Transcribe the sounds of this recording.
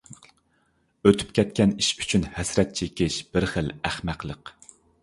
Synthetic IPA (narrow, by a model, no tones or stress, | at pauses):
øt̪ʰy̥p̚kʲɛt̪̚kʲɛniʃy̥t͡ʃʰynhɛsɾɛt̪̚t͡ʃʰekʲɪʃb̥ɪɾχəlæχmæqlˠəq